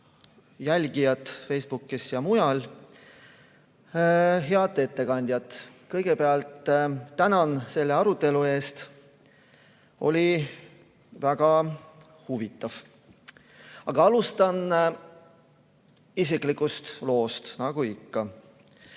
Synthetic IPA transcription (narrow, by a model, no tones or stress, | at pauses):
jælʲɡ̥ijɑt̪ːˑfe̞jsb̥ukːˑisjɑmujɑl | ɦeɑt̪ːˑe̞t̪ːe̞kɑnʲd̪̥jɑt̪ːˑkɤjɡ̥e̞pe̞ɑlt̪ːænɑnse̞lːeɑɾut̪ːˑe̞lue̞ːst̪ | ʔo̞lʲi | væɡ̥ɑ | huvit̪ːˑɑv̥ | ɑɡ̥ɑɑlust̪ɑn | is̬ikˑlikust̪lo̞ːst̪nɑɡ̥uikːɑ